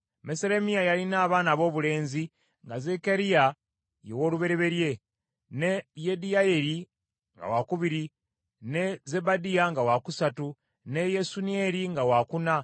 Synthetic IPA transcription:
meseɾe̞miajalinaːβaːnaβo̞ːβule̞ːnzi | ŋɡaze̞keɾija | jewo̞ːluβe̞ɾe̞βe̞ɾje̞ | nejedijaje̞ɾi | ŋɡa̰wakuβiɾi | ne̞ze̞badijaŋɡawakusatu | ne̞je̞sunie̞ɾiŋɡawakuna

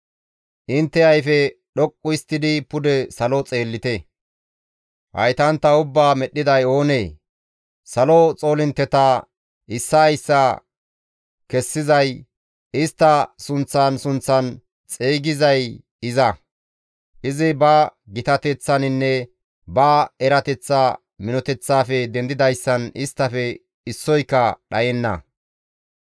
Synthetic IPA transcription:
ʔɪnt̪ːɛɐjfɛɗɔkʼːʊɪst̪ːɪd̪ɪpʊd̪ɛsɐlɔt͡sʼe̞ːlːɪt̪ɛ | hɐ̰jt̪ɐnt̪ːɐʊbːaːmɛɗɪd̪ɐjo̞ːneː | sɐlot͡sʼo̞ːlɪnt̪ːɛt̪a | ʔɪsːɐjsːɐ | kɛsːɪzɐj | ɪst̪ːɐsʊnt͡sːansʊnt͡sːɐn | t͡sʼeːɡɪzɐj | ɪzɐ | ʔɪzɪbɐɡɪt̪ɐt̪ɛt͡sːɐnɪnːɛ | bɐɛɾɐt̪ɛt͡sːa | mɪnɔt̪ɛt͡sːaːfɛd̪ɛnd̪ɪd̪ɐjsːɐnɪst̪ːɐfɛ | ɪsːɔjkːɐɗɐjɛnːɐ̰

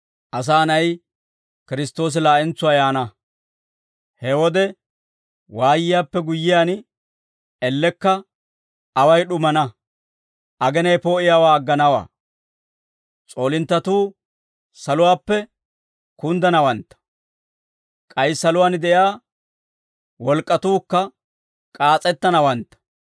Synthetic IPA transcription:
ʔɐs̬aːnɐj | kɪɾɪst̪o̞ːs̬ɪlaːʔɛnt͡sʊwaːjaːnɐ | hɛwɔd̪ɛ | waːjɪjaːpːɛɡʊjːɪjaːn | ɛlːɛkːɐ | ɐwɐjɗʊmɐnɐ | ʔɐɡɛnɐjpo̞ːʔɪjaːwaːɐɡːɐnɐwa̰ː | t͡sʼo̞ːlɪnt̪ːɐt̪uː | sɐlʊwaːpːɛ | kʊnd̪ɐnɐwɐnt̪ːɐ̥ | kʼɐjsːɐlʊwaːnd̪ɛjaː | wɔlkʼːɐt̪uːkːɐ | kʼaːt͡sʼɛt̪ːɐnɐwɐnt̪ːɐ̥

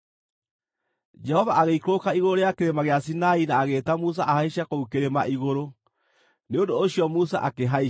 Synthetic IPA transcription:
d͡ʒɛhɔvaʔaɣeikoːkaiɣoɾoɾeakeɾemaɣeasinainaːɣeːtamus̬aʔahaiɕakoukeɾema̰ʔiɣoɾo | neondoːɕiɔmusa̰ʔakeɦai

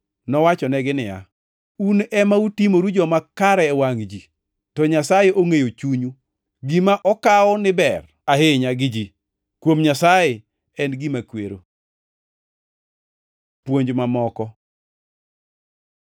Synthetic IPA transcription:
nɔwat͡ʃɔnɛɡɪnɪja̰ | unɛmautimoɾud͡ʒɔmakaɾɛɛwaŋd͡ʒi | tɔɲasajeʔoŋejot͡ʃuɲu | ɡimaʔɔkaɔnɪbɛr | aɦeɲaɡɪd͡ʒi | kwomɲasaje | ɛnɡimakweɾo̰ | pwoɲd͡ʒmamɔkɔ

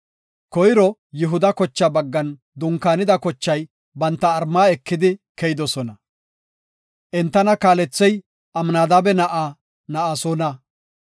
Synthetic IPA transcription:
kɔjɾɔjɪɦʊd̪ɐkɔt͡ʃːɐbɐɡːɐn | d̪ʊŋkːaːnɪd̪ɐkɔt͡ʃːɐj | bɐnt̪ːɐːɾmaːɛkːɪd̪ɪkɛjɪd̪ɔsɔnɐ | ʔɛnt̪ːɐnɐkaːlɛt͡sːɛj | ʔɐmnaːd̪abɛnɐʔa | nɐʔasɔnɐ

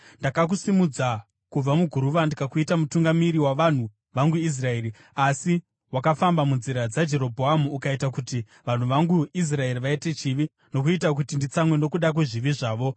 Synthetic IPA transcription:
ndakak̬usimud͡za | kub͡vamuɡʱuɾuʋandikakuitamutuŋɡamiɾiwaʋan̤u | ʋaŋɡuis̬rae̞ɾi | asi | wakafambamunziɾad͡zad͡ʒe̞ɾo̞bʱoamuːkaitakuti | ʋan̤uʋaŋɡuis̬rae̞riʋaite̞t͡ʃiʋi | no̞k̬uitak̬utindit͡samwe̞no̞kuɗak̬weʐiʋiʐaːʋo̞

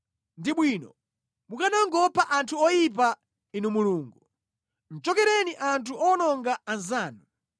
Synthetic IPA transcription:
ndiɓwiːnɔ̰ | mukanaŋɡɔpʰaʔantʰuɔjip̬a | inumuluːŋɡu | n̩t͡ʃɔkɛɾɛniʔantʰuɔnɔŋɡaːnzaːnu

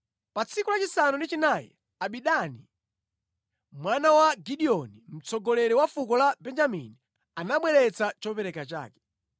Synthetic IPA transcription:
pat͡sʰikulat͡ʃisanundit͡ʃinajɛ̰ | aɓiɗani | mwanawaɡiɗiɔnim̩t͡sɔɡɔlɛɾɛwafukɔlabɛnd͡ʒamḭni | anaɓwɛɾɛt͡sat͡ʃɔpɛɾɛkat͡ʃa̰ːkɛ̥

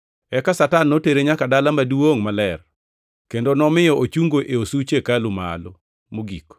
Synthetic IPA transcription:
ɛkasatanːoteɾeɲakadalamaduwoŋmalɛr | kendonɔmɪjɔʔot͡ʃuŋɡoʔeosut͡ʃekalʊma̰lo | moɡik

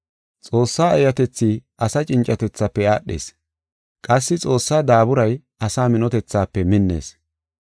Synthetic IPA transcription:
t͡sʼo̞ːsːaːɛjɐt̪ɛt͡sːiːʔɐsɐt͡ʃʼɪnt͡ʃʼːɐt̪ɛt͡sːɐpːɛaːɗːḛːs | kʼɐsːɪt͡sʼo̞ːsːaːd̪aːbʊɾɐj | ɐsaːmɪnɔt̪ɛt͡sːaːpːɛmɪnːḛːs

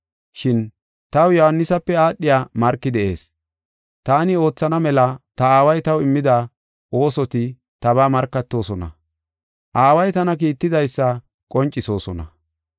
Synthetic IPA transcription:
ʃɪn | t̪ɐwjɔhɐnːɪsɐpːɛaːɗːɪjaːmɐɾkːɪd̪ɛʔe̞ːs | t̪aːnɪo̞ːt͡sːɐnɐmɛlɐt̪ɐaːwɐjt̪ɐwɪmːɪd̪a | ʔo̞ːsɔt̪ɪ | t̪ɐβaːmɐɾkːɐt̪ːo̞ːsɔnɐ̰ | ʔaːwɐjt̪ɐnɐkiːt̪ːɪd̪ɐjsːɐ | kʼɔnt͡ʃʼːɪso̞ːsɔnɐ̰

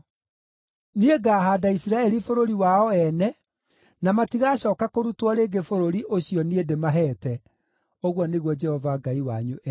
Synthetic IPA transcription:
nieɡaːɦaːdaisiɾaɛɾifoɾoɾiwaɔɛnɛ | namatiɣaːɕɔːkakoɾutwɔɾeːɡefoɾoɾiʔoɕiɔniedemaɦɛːtɛ | oɣwɔneɣwɔd͡ʒɛhɔvaɡaiwaɲuʔɛ

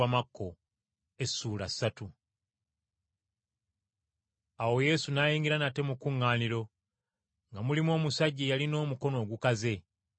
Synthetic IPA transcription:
amakːo̞ | esːuːlasːatu | awo̞je̞sunajiːŋɡiɾanate̞mukuŋːaːniɾo̞ | ŋɡamulimo̞ːmusaɟːijalino̞ːmuko̞no̞ːɡukaze̞

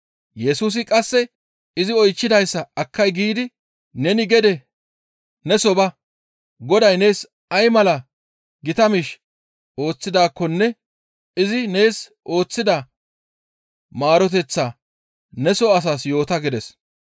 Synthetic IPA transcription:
jɛsuːs̬ɪkʼɐsːɛ | ɪzɪɔjt͡ʃːɪd̪ɐjsːɐɐkʰːɐjɡiːd̪ɪ | nɛnɪɡɛd̪ɛ | nɛsɔbɐ | ɡɔd̪ɐjne̞ːs | ɐjmɐlɐ | ɡɪt̪ɐmɪʃ | o̞ːt͡sːɪd̪aːkːɔnːɛ | ɪzɪne̞ːs | o̞ːt͡sːɪd̪ɐ | maːɾɔt̪̬ɛt͡sːa | nɛsɔɐs̬aːsjo̞ːt̪ɐɡɪd̪ɛs

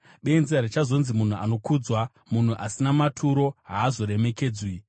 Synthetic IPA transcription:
ɓe̞nziaɾet͡ʃazo̞nzimun̤ua̰no̞kuːd͡zwa | mun̤uʔasinamatʰuɾo̞ɦaːzo̞ɾe̞me̞keːd͡zwi

